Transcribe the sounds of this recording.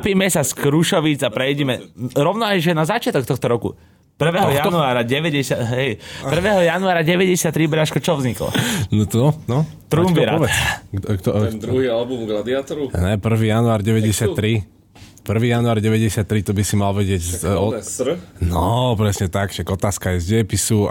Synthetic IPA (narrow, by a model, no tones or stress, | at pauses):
piːmɛsaskɾuʃɔʋid͡zapɾɛjɟɛmɛɾɔʋʊnɔajʒɛnazat͡ʃɪat̪ɔkt̪ɔxt̪ɔɾɔkṵ | pr̩ʋɛːɦɔjanuaːɾaɟɛʋɛɟɛsaɦɛjpr̩ʋɛːɦɔjanuaːɾaɟɛʋɛɟɛsɪat̪ːɾibʎaʃkɔt͡ʃɔʋzɲiklɔ̰nɔt̪ɔnɔ | t̪ɾumbiɾaɔʋɛkt̪ɔd̪ɾuɦialbumɡlad̪iat̪ɔɾuɲɛpr̩ʋiːjanuaːɾɟɛʋɛɟɛsɪat̪ːɾi | pr̩ʋiːjanuaːɾɟɛʋɛɟɛsɪat̪ːɾit̪ɔbisimalʋɛɟɪɛɟsɔ | nɔpɾɛsɲɛt̪akʃaɡɔt̪aːskajɛzɟɛpisu